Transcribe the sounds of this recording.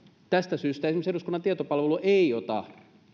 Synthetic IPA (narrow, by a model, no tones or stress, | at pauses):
t̪æst̪æsyːst̪æesimøseɾuskunɑnt̪iɑt̪opɑlʋeluʔeiot̪ɑ̰